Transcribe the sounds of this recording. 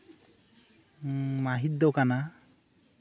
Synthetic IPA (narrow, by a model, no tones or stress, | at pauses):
maɦid̪ːɔkana